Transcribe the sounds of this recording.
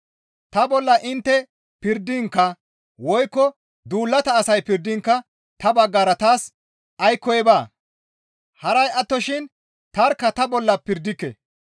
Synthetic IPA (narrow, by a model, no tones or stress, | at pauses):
t̪ɐbɔlːɐʔɪnt̪ːɛ | pɪɾd̪ɪŋkːɐ | wɔjkːɔ | d̪uːlːɐt̪ɐːsɐjpɪɾd̪ɪŋkːɐ | t̪ɐbɐɡːaːɾɐt̪aːs | ɐjkːɔjɛbaː | hɐɾɐjɐt̪ːɔʃɪn | t̪ɐɾkːɐt̪ɐbɔlːɐpɪɾd̪ɪkːɛ̰